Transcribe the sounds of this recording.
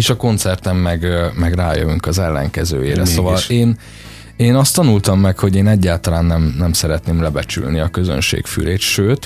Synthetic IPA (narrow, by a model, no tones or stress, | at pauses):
eːʃɒko̞nt̪sɛrt̪ɛmːɛɡmɛɡraːjø̰vyŋkɒzɛlːɛ̰ŋkɛzø̰ːjeːɾɛso̞vɒleːn | eːnɒst̪ːɒnult̪ɒmːɛkho̞ɟeːnɛɟːaːlt̪ɒlaːnːɛmnɛmsɛɾɛt̪neːmlɛbɛt͡ʃy̰lniɒkø̞zø̰nʃḛːkfy̰leːt̪ʃøːt̪